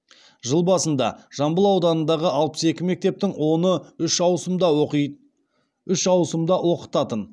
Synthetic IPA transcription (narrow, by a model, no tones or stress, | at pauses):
ʒəlˠbɑsənd̪ɑ̰ʒ̥ɑmbəlˠɑwd̪ɑnənd̪ɑʁəʔɑlˠpə̥se̞kʲɪme̞k̚t̪e̞p̚t̪ɪŋwo̞nəʏʃɑwsəmd̪ɑ | ʏʃɑwsəmd̪ɑwo̞qə̥t̪ɑt̪ən